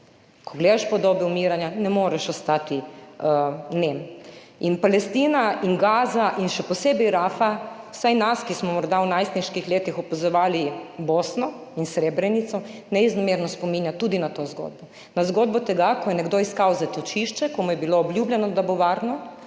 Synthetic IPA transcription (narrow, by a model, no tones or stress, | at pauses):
kʰɔɡleːd̪aʃpɔd̪oːbɛumiːɾanjanɛmoːɾɛʃɔst̪aːt̪i | nem | inpalɛst̪iːnainɡaːzaʔinʃɛpɔseːbɛjɾaːfa | w̥sajnaskismɔmɔɾd̪awnajst̪niʃkixleːt̪ixɔpazɔʋaːliboːsnɔ | insɾeːbɾɛnit̪sɔnɛiznɔmeːɾnɔspomiːnjat̪uːd̪inat̪ozɡo̰ːd̪̚bɔ | nazɡoːd̪bɔt̪ɛɡakɔjɛnɛɡd̪oːiskawzat̪ɔt͡ʃiʃt͡ʃɛkɔmujɛbiloːbljuːbljɛnɔd̪aboʋaɾnɔ